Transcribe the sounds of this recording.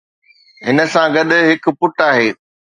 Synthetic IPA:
ɦɪnə̆sãɡɐɗɦɪk̆pʊʈaːɦeː

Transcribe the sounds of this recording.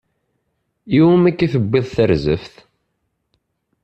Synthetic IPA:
iwmækːiθəbːeðˤθəɾzə̰fθ

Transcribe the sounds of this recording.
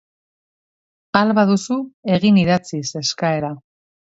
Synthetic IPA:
alβaðusue̞ɣiniðat͡sise̞skae̞ɾa

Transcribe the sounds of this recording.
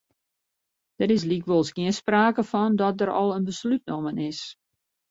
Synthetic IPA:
d̥əɾɪs̬likʋolˠsɡiənspraːkəfɔndɔt̚dəɾɔ̰lˠənbəslyt̚nomənɪs

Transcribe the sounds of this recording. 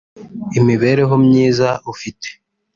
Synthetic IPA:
imiβe̞ːɾe̞ɦo̞mɲiːzaufite̥

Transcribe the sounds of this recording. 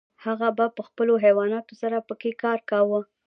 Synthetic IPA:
haɣabapəxpəloɦewɑnɑt̪osaɾapəkekɑɾkawə

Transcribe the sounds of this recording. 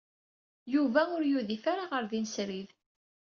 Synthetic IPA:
juvæʊɾjuðifaɾaʁəɾðinsɾið

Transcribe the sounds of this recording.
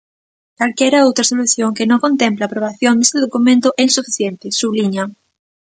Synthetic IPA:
kalkjɛɾaowt̪ɾasoluθjoŋkenõŋkont̪emplaːpɾoβ̞aθjond̪est̪eðokumẽnt̪oʔensufiθjent̪ɪsuβliɲaŋ

